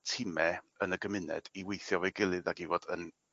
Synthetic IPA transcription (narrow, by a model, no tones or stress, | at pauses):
tʰɪmɛ | ənəɡəmɪnɛ̰d̥iwejθjɔvejɡɪlˠɨðaɡivɔd̥ən